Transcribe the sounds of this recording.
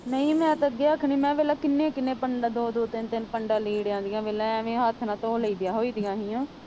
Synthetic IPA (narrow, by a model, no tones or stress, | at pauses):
nəĩːmɛ̃ːt̪əɡeːəkʰɳiːmɛ̃ːʋeːlaːkɪnːẽːkɪnːẽːpəɳɖaːd̪oːd̪oːt̪ɪnt̪ɪnpəɳɖãːliːɽjãːnd̪ijãːʋeːlãːɛːʋẽːɦət̪ʰnãːt̪oːləiːd̪ɪjaːɦoːiːd̪ijãːɦĩːãː